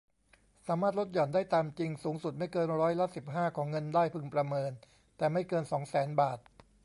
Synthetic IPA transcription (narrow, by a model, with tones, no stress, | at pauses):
saː˩˦maː˥˩lo˦˥t̪̚jɔ˨˩ndaː˥˩jt̪aː˧mt͡ɕi˧ŋsuː˩˦ŋsu˨˩t̪̚ma˥˩jkɤː˧nɾɔː˦˥jla˦˥si˨˩p̚ɦaː˥˩kʰɔː˩˦ŋːɤ˧ndaː˥˩jpʰɯ˧ŋpɾa˧mɤː˧n | t̪ɛː˨˩ma˥˩jkɤː˧nsɔː˩˦ŋsɛː˩˦nbaː˨˩t̪̚